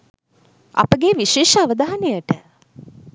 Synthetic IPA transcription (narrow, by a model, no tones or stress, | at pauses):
ɐ̰pəɡeʋiʃeːʃəaʋəd̪aɦanejəʈə